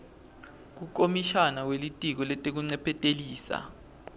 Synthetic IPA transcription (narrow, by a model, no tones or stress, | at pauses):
k̬ukʼomiʃanawelitʼik̬ɔlɛtʼek̬uŋ͡ǀɛpʰɛtʼeliːsa̰